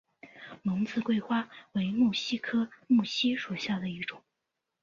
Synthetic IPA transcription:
mʊ˧˥ŋt͡sɹ̩˥˧kwe˥˧ɪxwa˥we˧˥ɪmu˥˩ɕi˥kʰɤ˥mu˥˩ɕi˥ʂu˨˩ɕja˥˩d̪ə˩i˥˩ʈ͡ʂʊ˨˩˦ŋ

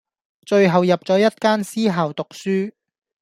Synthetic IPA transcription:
t͡ʃɵ˧ɥɦɐ˨wjɐ˨p̚t͡sɔː˨˥jɐ˥t̚kaː˥nsiː˥ɦaː˨˩wt̪ʊ˨k̚syː˥

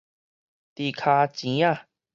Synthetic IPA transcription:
t̪i˨kʰa˧t͡ɕĩ˨˦a˦˧˨

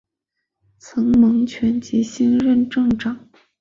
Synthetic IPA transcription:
t͡sʰɤ˧˥ŋmɤ˧˥ŋt͡ɕʰɥɛ˧˥nt͡ɕi˧˥ɕi˥nɻə˥˧nʈ͡ʂɤ˥˧ŋʈ͡ʂɑ˨˩˦ŋ

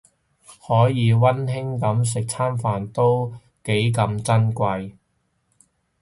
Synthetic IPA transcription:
hɔː˨˥jiː˨˧wɐ˥nɦɪ˥ŋkɐ˨˥ms̬ɪ˨k̚t͡sʰaː˥mfaː˨nt̪o˥w | ke˨˥jk̬ɐ˨˧mt͡sɐ˥nkʷɐ˧j

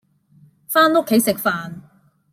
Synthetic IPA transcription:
faː˥nʊ˥kʰːe˨˥jsɪ˨k̚faː˨n

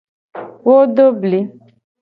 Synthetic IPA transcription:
wo˦ɖo˦bli˨˦

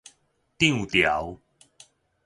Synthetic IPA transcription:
t̪ĩ˥˧ŋt̪ja˨˦ʊw

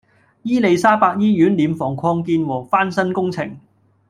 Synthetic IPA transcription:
jiː˥le˨˧jsaː˥paː˧k̚jiː˥jyː˨˥nliː˨mfɔː˨˩ŋkʰɔː˧ŋkiː˧nwɔː˨˩faː˥nsɐ˥nkʊ˥ŋt͡sʰɪ˨˩ŋ

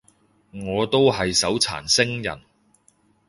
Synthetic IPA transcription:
ŋɔː˨˧t̪o˥whɐ˨jsɐ˨˥wt͡sʰa̰ː˨˩nsɪ˥ŋjɐ̰˨˩n

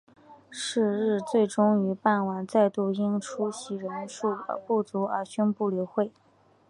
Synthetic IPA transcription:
ʂɻ̩˥˧ɻɻ̩˥˧t͡swe˥˩ɪʈ͡ʂʊ˥ŋy˧˥pa˥˩nwa˨˩nt͡sa˥˧ɪt̪u˥˩i˥ŋʈ͡ʂʰu˥ɕi˧˥ɻə˧˥nʂu˥˩˧pu˥˩t͡su˧˥ə˞˧˥ɕy˥npu˥˩li˧˥ʊxwe˥˩ɪ

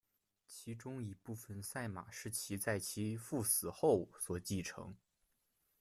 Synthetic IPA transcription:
t͡ɕʰi˧˥ʈ͡ʂʊ˥ŋi˨˩pu˥˩fə˨˩nsa˥˩ɪma̰˨˩ʂɻ̩˥˩t͡ɕʰi˧˥t͡sa˥˩ɪt͡ɕʰi˧˥fu˥˩sɹ̩˨˩xo˥˩ʊswɔ˨˩t͡ɕi˥˩ʈ͡ʂʰɤ̰˧˥ŋ

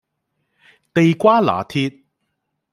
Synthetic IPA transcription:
t̪e˨jkʷaː˥la̰ː˨˩t̪ʰiː˧t̚

